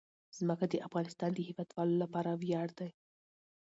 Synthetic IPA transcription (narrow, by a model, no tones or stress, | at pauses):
z̥məkad̪əʔafɣɑnɪst̪ɑnd̪əhɪwɑd̪wɑlolapɑɾawjɑɽd̪aj